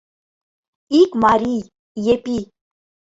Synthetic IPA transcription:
ikmaɾi | jepi

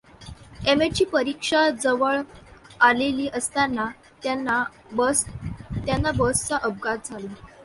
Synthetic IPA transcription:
emet͡ɕiːpəɾikʂad͡zəʋəɭaleliːʔəst̪anːa | n | t̪janːabəst͡saʔəb̚ɡat̪̚d͡zʱale

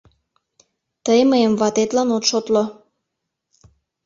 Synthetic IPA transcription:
t̪əjməjəmvɑt̪et̪lɑnot̪ʃot̪lo

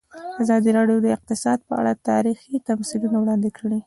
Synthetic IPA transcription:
azɑd̪iɾɑɖjod̪əɪq̚t̪ɪsɑd̪̚pəa̰ɽat̪ɑ̰ɾixit̪amsid̪unawɽɑnd̪ɪkʰəɽi

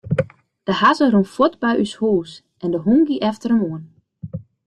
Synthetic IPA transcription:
d̥əhazərunfɔtbɛjʔyshuːs | ɛndəɦuŋɡiʔɛftəɾəmuən

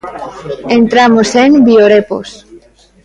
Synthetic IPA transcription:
ent̪ɾamoseŋbioɾepo̰s

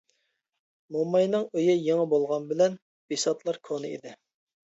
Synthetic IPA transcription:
momɑjnɨŋøjɪjeŋəbolˠʁɑnbɪlɛn | b̥isɑt̪lˠɑɾkʰonɨḭd̪ɪ

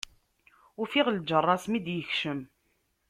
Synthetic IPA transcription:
ʊfiʁld͡ʒərˤːɑsmid̪jəçʃəm

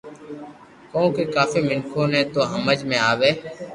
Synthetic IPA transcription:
kõːkeːkaːfiːmɪnkʰõːnẽːt̪oːɦəməd͡ʒmẽːaːʋeː

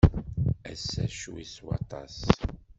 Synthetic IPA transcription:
æsːæ̰ʃwḭswɑ̰t̪ˤɑs

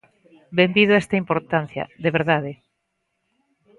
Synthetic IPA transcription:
bembiðʊɛst̪ɐimpoɾt̪an̟θjɐ̰ðeβeɾðaðe

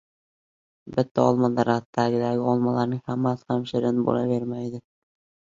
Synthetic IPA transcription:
bɪt̪ːaɒlˠmɒnd̪aɾat̪ːaɡʲɪd̪aɡʲɪɒlˠmalaɾnɪŋhamːashamʃɪɾɪnɪbo̰lˠave̞ɾmajd̪ɪ

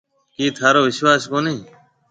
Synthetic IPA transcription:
kiːt̪ʰaːɾoːʋɪʃwaːskoːneː

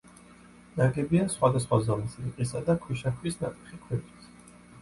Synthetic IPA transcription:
naɡɛbiasχwad̪asχwazɔmisʰiqʼisad̪akʰwiʃakʰwisnat̪ʼi̥χikʰwɛt̪it̪ʰ

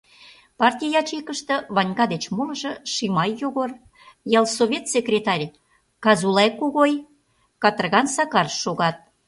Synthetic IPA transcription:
pɑrt̪ʲijjɑt͡ɕekə̆ʃt̪ɤ̆βɑnʲɣɑd̪et͡ɕmoləʒɤ̆ʃimɑjːoɣor | jɑlˠsoβʲet̪sʲekrʲet̪ɑrʲ | kɑzulekoɣoj | kɑt̪ərɣɑnsɑkɑrʃoɣɑt̪̚

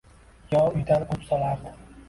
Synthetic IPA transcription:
jɒʊjd̪ankʰʊpsɒlaɾd̪ɪ

